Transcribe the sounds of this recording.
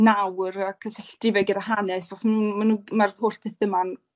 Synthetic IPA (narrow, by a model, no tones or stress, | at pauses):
nawrakʰəsɛɬd̥ɪvɛɡədahanɛsɔsmnumanuːmarhoːɬpʰeːθəman